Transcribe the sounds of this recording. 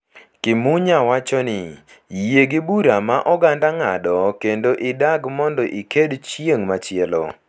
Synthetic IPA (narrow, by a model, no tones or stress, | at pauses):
kɪmuɲawat͡ʃɔnɪ | jeɡɪbuɾamaʔɔɡandaŋadɔkendoʔɪdaɡmɔndɔʔikedt͡ʃjeŋmat͡ʃɪɛlɔ̰